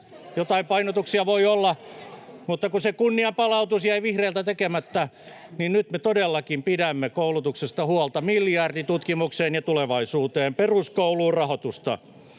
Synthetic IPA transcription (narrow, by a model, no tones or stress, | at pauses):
jot̪ɑimpɑinot̪uksiɑʋoiolːɑ | mut̪ːɑkusekunːiɑmpɑlɑut̪usjæiʋihreːlt̪æt̪ekemæt̪ːæninnyt̪met̪odelːɑkimpidæmːekoulut̪uksest̪ɑhuɑlt̪ɑmiljɑrdit̪ut̪kimukseːnjɑt̪uleʋɑisuːt̪eːmperuskouluːrrɑhot̪ust̪ɑ̰